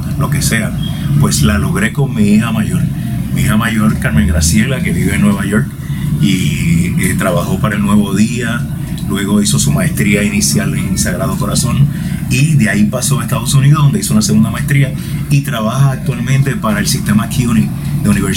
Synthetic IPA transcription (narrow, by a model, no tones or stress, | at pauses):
lo̞ke̞sea | pwe̞slalo̞ɣɾe̞ko̞ŋmiihamaʝo̞ɾ | miihamaʝo̞ɾkaɾmeŋɡɾasje̞lake̞βiβeenwe̞βajo̞ɾk | i | et̪ɾaβaho̞paɾaelnwe̞βo̞ðia | lwe̞ɣo̞iso̞sumaest̪ɾiainisjaleŋsaɣɾað̞o̞ko̞ɾasõ̞niðeaipaso̞aest̪að̞o̞suniðoðo̞nd̪isounase̞ɣund̪amaest̪ɾia | it̪ɾaβahaːk̚t̪walmẽnt̪epaɾaelsist̪e̞makʰjuniðeuniβeɾ